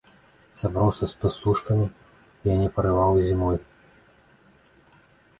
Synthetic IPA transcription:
sabɾawsʲɐspɨsuʂkɐmʲi | ijanʲɛpɐɾɨvawzʲimɔj

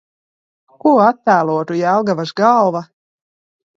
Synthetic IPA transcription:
kuɔat̪ːæːlˠuɔt̪ujaalˠɡavaʃɡalˠva

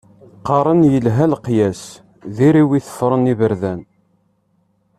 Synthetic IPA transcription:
qɑɾˤənjəlɦælqjæs | ðiɾiwiθə̥fːɾˤənivəɾðæn

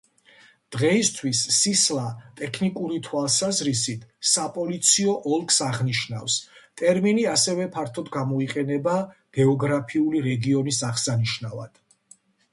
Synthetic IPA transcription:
d̪̥ʁɛist̪ʰwisːislˠat̪ʼɛkʰnikʼuɾit̪ʰwalˠsazɾisit̪ʰsapʼɔlit̪sʰiɔʔɔlˠkʰsaʁniʃna̰fst̪ʼɛɾminiasɛvɛpʰaɾt̪ʰɔd̪ɡamɔiqʼɛnɛbaɡ̥ɛɔɡɾapʰiuliɾɛɡiɔnisaχsaniʃnava̰d̪̥

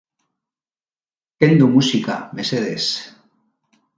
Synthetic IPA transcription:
kend̪umusikameseðes

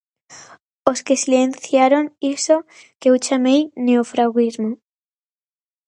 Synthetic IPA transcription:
oskesilenθjaɾoŋiso | keuwt͡ʃamejneofɾaɣizmo

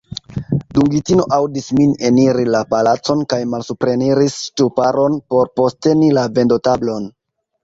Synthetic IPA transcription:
duŋɡitino̞ʔawdismine̞niɾilapalat͡so̞nkajmalsupɾe̞niɾist͡ʃupaɾo̞npo̞ɾpo̞ste̞nilave̞ndo̞tablo̞n

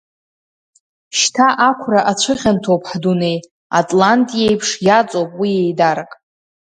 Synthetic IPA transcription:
ʃtʰaʔakʷʰraʔat͡ɕʷʰɨχʲantʰowpʰʼħdune̞j | atʼlantʼijejpʰʂjat͡sʼowpʼwije̞jdaɾakʼ

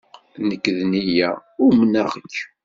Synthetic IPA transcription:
nəkːðnijæ̰ʊɾmənæʁəkː

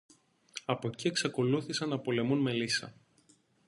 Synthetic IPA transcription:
ɐpo̞cie̞ksɐko̞luθisɐnːɐpo̞le̞munme̞lisɐ̰

